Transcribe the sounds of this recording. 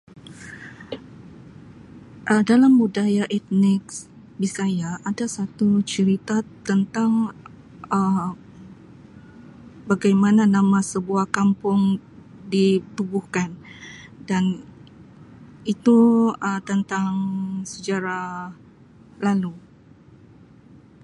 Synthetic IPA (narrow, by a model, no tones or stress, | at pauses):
ʔədalambudajaʔɛt̪̚nɪks | bisajaʔadasat̪ut͡ʃəɾit̪at̪ənt̪aŋ | ə | baɡajmananãmãsəbuahkampʊŋ | dit̪ubuhkandan | it̪uət̪ənt̪aŋsəd͡ʒaɾa | lalu